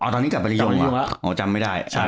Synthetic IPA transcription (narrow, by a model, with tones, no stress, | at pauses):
ʔɔː˧˩t̪ɔː˧ni˦˥ka˨˩p̚a˧˥˧jo˧˩˦ʔoː˧˩t͡ɕa˧mːa˥˩jdaː˥˩ja˥˩